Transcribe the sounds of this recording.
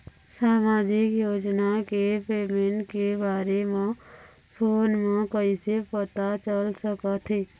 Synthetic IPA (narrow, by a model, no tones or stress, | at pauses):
saːmaːd̪ʱɪkjoːd͡ʒnakepeːmeɳʈkebaːɾemã | pʰoːnmẽkəisepət̪at͡ʃəlsəkət̪ʰɦeː